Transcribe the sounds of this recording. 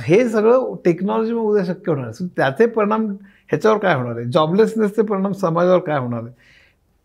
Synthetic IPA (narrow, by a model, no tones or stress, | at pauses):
ɦes̬əɡɭəʈeknɔlɔd͡ʑimẽud̪ʱeɕ̬əkjəɦoɽ̃alest̪jat͡sepəɾiɽ̃am | hjat͡ɕaʋəɾkajɦoɽ̃aled͡ʑɔblesnest͡sep̬əɾiɽ̃amsəmad͡zaʋəɾkajɦoɽ̃ale